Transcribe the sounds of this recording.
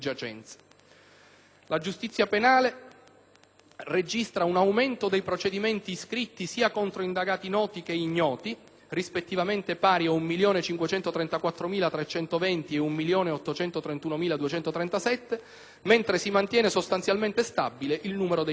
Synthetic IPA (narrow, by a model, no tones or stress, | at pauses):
d͡ʒat͡ʃɛ̰nt̪sḁ | lad͡ʒust̪it̪sːjapenaːle | red͡ʒist̪ɾaunawment̪od̪ejpɾot͡ʃed̪iment̪iskɾit̪ːisiːakont̪ɾoind̪aɡaːt̪inɔːt̪ik̟eiɲːɔːt̪i | rispet̪ːivament̪epaːɾjiaumːiljoːnet͡ʃiŋkwet͡ʃɛnt̪ot̪ɾɛnt̪akwat̪ːɾomiːlat̪ɾet͡ʃɛnt̪ovɛnt̪ieumːiljoːneɔt̪ːot͡ʃɛnt̪ot̪ɾent̪uːnomiːlad̪uet͡ʃɛnt̪ot̪ɾɛnt̪asɛt̪ːe | ment̪ɾesimant̪jɛːnesost̪anjalment̪est̪abːileʔilnuːmeɾod̪e